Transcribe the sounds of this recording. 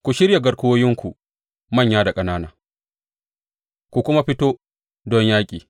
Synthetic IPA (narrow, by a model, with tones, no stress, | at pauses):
kʷu˨ʃɪ˦ɾja˨ɡɐ˨ɽkʊ˦woː˦jɪ˦ŋkʷu˨ | mɐ˦˨ɲjaː˦da˨kʼɐ˦naː˦naː˨ | kʷu˨kʷʊ˦ma˦ɸɪ˦toː˦ | dɔ˦ɲjaː˦kʲʼiː˨